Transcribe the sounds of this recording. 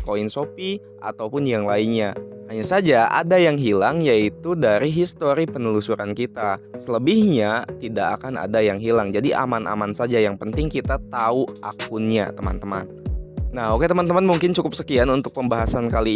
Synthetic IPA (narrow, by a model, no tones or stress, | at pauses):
koinsopi | a̰t̪awpʊnjaŋlainɲahaɲasad͡ʒaʔa̰dajaŋɦilaŋjait̪udaɾiɦist̪oɾipənəlusuɾankit̪asələbihɲat̪ida̰ːkana̰dajaŋɦilaŋd͡ʒadiʔa̰mana̰mansad͡ʒajaŋpənt̪ɪŋkit̪at̪auʔa̰kʊnɲa̰t̪əma̰nt̪əma̰nːahoket̪əmant̪əmanmuŋkɪnt͡ʃukʊpsəkianunt̪ʊk̚pəmbaɦasankali